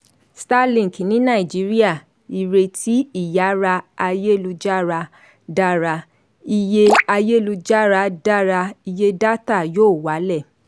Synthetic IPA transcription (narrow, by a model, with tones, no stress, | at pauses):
sta˦lĩ˨ki˨nĩ˨˦nã˦˨i˨d͡ʒi˨˦ɾi˦a˦˨ | i˨ɾe˧ti˦i˦˨ja˨˦ɾa˧a˧je˦lu˧d͡ʒa˦ɾa˧ | da˦ɾa˧ | i˧je˧a˧je˦˨lu˧d͡ʒa˦ɾa˧da˦ɾa˧i˧je˦da˦ta˦˨joː˦˨wa˨˦lɛ˦˨